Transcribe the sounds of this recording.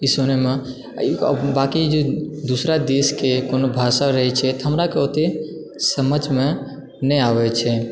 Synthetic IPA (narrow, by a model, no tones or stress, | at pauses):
isonemḛ | bakid͡ʒod̪usɾad̪eskekonobʱasaɾəɦɛt͡ʃʰɛt̪ɔɦəmɾakeot̪e | səməd͡ʒʱme | nɛaʋɛt͡ʃʰɛ